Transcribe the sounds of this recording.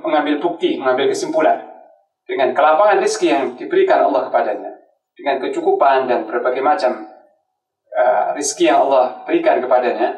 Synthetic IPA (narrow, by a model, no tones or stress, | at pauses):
məŋambɪlbuk̚t̪iməŋambɪlkəsimpula̰n | d̥əŋankəlapaŋanriskijaŋdibəɾikanɑ̰lːɑhkə̥padaɲa | d̥əŋankət͡ʃukupandanbərbaɡajmat͡ʃam | əriskijaŋɑ̰lˠːɑhb̥əɾikankəpadaɲa